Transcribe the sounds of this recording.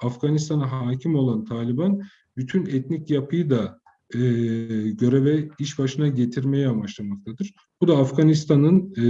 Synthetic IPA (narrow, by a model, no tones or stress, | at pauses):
afɡ̥anist̪ʰanaɦaːcʰimo̞lˠant̪ʰaːlʲiban | byt̪ʰynɛt̪nicjapʰɯjɯd̪a | ɟø̞ɾevɛiʃbaʃɯnaɟet̪ʰiɾme̞jɛamat͡ʃlˠamak̚t̪ʰad̪ɯɾ̥ | b̥ud̪aːfɡanist̪ʰanɯn